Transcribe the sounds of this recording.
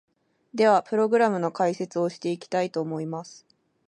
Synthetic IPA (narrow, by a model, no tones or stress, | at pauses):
d̪e̞βapɯ̟ɾo̞ɡɯ̟ɾamɯ̟no̞kaise̞t͡sɨo̞ɕi̥t̪e̞ikʲi̥t̪ait̪o̞ːmo̞imasɨ̥